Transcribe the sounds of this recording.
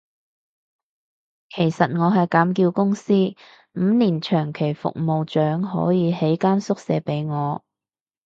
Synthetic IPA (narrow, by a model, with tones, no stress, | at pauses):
kʰe˨˩jsɐ˨t̚ŋɔː˨˧ɦɐ˨jkaː˨˥mkiː˧wkʊ˥ŋsiː˥ | m̩ː˨˧niː˨˩nt͡ʃʰœː˨˩ŋkʰe˨˩jfʊ̰˨k̚mo˨wt͡ʃœː˨˥ŋɦɔ̰ː˨˥jiː˨˧he˨˥jkaː˥nsʊ˥k̚sɛː˨˧pe˨˥jŋɔː˨˧